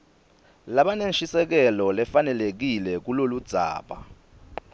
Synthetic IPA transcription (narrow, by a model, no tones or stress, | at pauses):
laɓanenʃisɛk̬ɛlɔlɛfanɛlek̬ilɛk̬ulolud̥z̥ʱa̰ːɓa̰